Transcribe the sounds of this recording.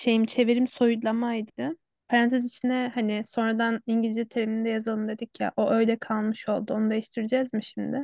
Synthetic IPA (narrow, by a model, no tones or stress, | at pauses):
ʃejimt͡ʃʰe̞viɾimso̞jud̪lˠamajd̪ɪ | fɾant̪ʰezit͡ʃʰind̪ɛhanɪso̞nɾad̪aniɲɟilʲizɛt̪ʰeɾeminid̪ɛjazalˠɯmd̪e̞d̪icʰja̰ʔo̞ʔø̞jd̪ɛkʰalˠmɯʃo̞lˠd̪uo̞nud̪e̞jiʃt̪ʰiɾid͡ʒɛzmiʃimd̪ɪ